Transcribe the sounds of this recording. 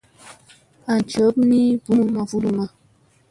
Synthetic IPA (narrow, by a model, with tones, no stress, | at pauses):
a˨n˨t͡ʃə˨˦pni˦bu˦mu˦ma˨vu˦lu˨ma˦